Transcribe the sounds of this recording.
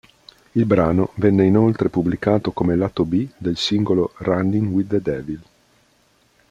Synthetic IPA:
ilbɾaːnovɛnːeinolt̪ɾepubːlikaːt̪okomelat̪obid̪elsiŋɡolorand̪iŋwid̪ed̪ɛvil

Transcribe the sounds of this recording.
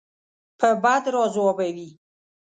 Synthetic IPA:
pʰəbad̪ɾɔzwɔbawi

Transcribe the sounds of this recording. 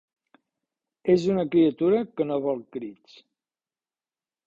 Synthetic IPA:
ezunəkɾiət̪uɾəkənoβɔlˠkɾit͡s

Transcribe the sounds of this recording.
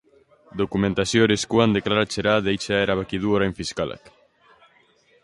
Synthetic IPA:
d̪okumẽnt̪asjoɾeskwand̪eklaɾat͡ʃeɾaðejt͡ʃaɛɾaβakiðuoɾaeɱfiskala̰k

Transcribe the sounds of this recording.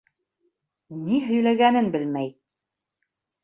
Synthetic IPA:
niɦɵ̆jlæɡænɘnbɘlmæj

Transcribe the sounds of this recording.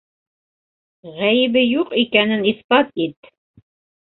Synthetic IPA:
ʁæjβɘjuqikænɘniθpɑt̪it̪

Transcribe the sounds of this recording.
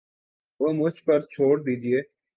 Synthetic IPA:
oːmʊt͡ʃpəɾt͡ʃʰoːɽd̪iːd͡ʒɪeː

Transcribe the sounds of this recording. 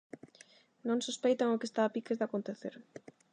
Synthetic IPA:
nõŋsospejt̪aŋʊkest̪aːpikezðakont̪eθḛɾ

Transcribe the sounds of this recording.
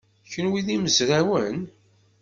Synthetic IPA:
çənwiðiməzɾawən

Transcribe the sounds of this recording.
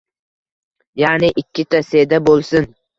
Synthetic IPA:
janɪʔɪkʲʰːɪt̪ʰased̪abolˠsɪn

